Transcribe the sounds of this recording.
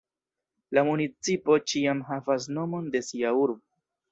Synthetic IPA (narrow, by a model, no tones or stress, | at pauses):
lamunit͡sipo̞t͡ʃiamɦavas̬no̞mo̞nde̞siauɾbo